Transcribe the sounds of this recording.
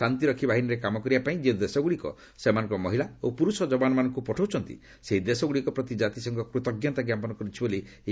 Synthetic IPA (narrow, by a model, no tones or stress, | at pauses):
ant̪iɾɔkʰibʱaɦiniɾekamɔkɔɾibapaĩd͡ʒed̪esɔɡuɽikɔ̰ | semanɔ̃ŋkɔmɔ̰ɦilaopuɾusɔd͡ʒɔbanɔmanɔŋkupɔʈʰowt͡ʃʰɔnt̪ḭ | seɦid̪esɔɡuɽikɔpɾɔt̪id͡ʒat̪isɔŋkɔkɾut̪ɔɡjɔnt̪aɡjapɔnɔkɔɾit͡ʃʰiboli